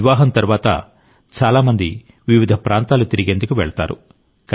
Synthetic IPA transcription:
ʋaːɦɐnt̪ɐɾuʋaːt̪ɐ̰ | t͡ʃaːlaːmɐnd̪i | ʋiʋid̪ʱɐpɾaːnt̪aːlut̪iɾiɡe̞nd̪ukuʋɛɭɐt̪a̰ːɾṵ | k

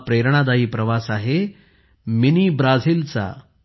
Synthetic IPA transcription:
pɾeɾɳ̃ad̪aɦiːpɾəʋasaɦe | minibɾad͡ziːlt͡sa̰

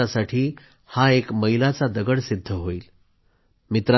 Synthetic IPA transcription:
asaʈʰiː | haekməɦilat͡sad̪əɡəɽsid̪ʱːəɦoiːl | mit̪ɾa

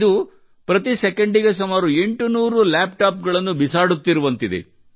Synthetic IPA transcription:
d̪u | pɾɐt̪isekeɳɖiɡesumaːɾue̞ɳʈunuːɾulaːp̚ʈaːp̚ɡɐɭɐnːubisaːɽut̪ːiɾuʋɐnt̪id̪ḛ

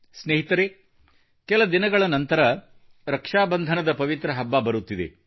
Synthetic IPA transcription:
sneːɦit̪ɐɾe | kɛlɐd̪inɐɡɐɭɐnɐnt̪ɐɾɐ | ɾɐkʂaːbɐnd̪ʱɐnɐd̪ɐpɐʋit̪ɾɐɦɐbːaːbɐɾut̪ːid̪e̞̰

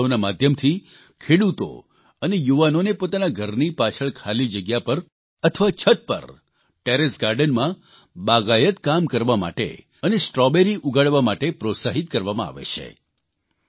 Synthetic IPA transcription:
onamad̪ʱjəmt̪ʰi | kʰeɽut̪o̰ | ənejuʋanonepot̪anaɡʱəɾnipat͡ʃʰəɭkʰalid͡ʒəɡjapəɾ | ət̪ʰəʋat͡ʃʰət̪̚pə̰ɾ | ʈeɾesɡaɾɖənmã | baɡajət̪kamkəɾʋama̰ʈḛ | ənesʈɾɔbeɾiʔuɡaɽʋamaʈepɾot̪saɦit̪̚kəɾʋamãa̰ʋḛt͡ʃʰḛ

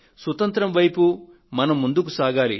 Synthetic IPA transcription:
sʋɐt̪ɐnt̪ɾɐmʋɐjpu | mɐnɐmːund̪ukusaːɡaːlḭ

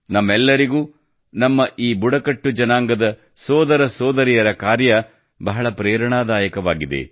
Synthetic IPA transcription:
nɐmːɛlːɐɾiɡuː | nɐmːɐʔiːbuɽɐkɐʈːud͡ʒɐnaːŋɡɐd̪ɐ | sɔːd̪ɐɾɐsɔːd̪ɐɾijɐɾɐkaːɾjɐ | bɐɦɐɭɐpɾɛːɾɐɳaːd̪aːjɐkɐʋaːɡid̪e̞̰

